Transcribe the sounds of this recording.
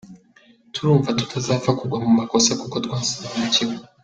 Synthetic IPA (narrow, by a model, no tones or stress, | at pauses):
tʰuɾuɱvatutʰazafakuɡamumakɔsakukɔtkwansaanat͡ʃiwɔ